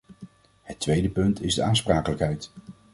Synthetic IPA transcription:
hətːʋejdəpɵntʰɪzdəaːnspraːkələkɦɛjt

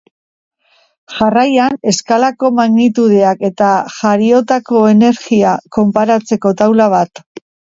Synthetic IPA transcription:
ʝarajane̞skalako̞maɣnit̪uð̞e̞ake̞t̪aʝaɾio̞t̪ako̞e̞ne̞ɾɣiako̞mpaɾat͡se̞ko̞t̪awlaβ̞at̪

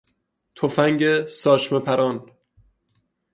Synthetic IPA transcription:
t̪ʰofæŋɟesɒːʃmepʰæɾɒːn

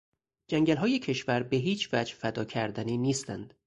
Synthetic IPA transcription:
d͡ʒæŋɟælɦɒːje̞cʰe̞ʃvæɾbeɦiːt͡ʃʰvæd͡ʒfæd̪ɒːcʰæɾd̪æniːniːst̪æ̰nd̪̥

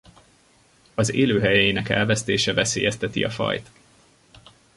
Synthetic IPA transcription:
ɒzeːløːɦɛjɛjiːnɛkɛ̰lvɛst̪eːʃɛvɛseːjɛst̪ɛt̪iɒ̰fɒ̰jt̪

